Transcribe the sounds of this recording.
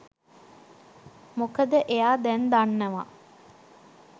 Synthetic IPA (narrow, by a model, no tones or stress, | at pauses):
mokəd̪əʔejaːd̪ɛnd̪anːəʋa̰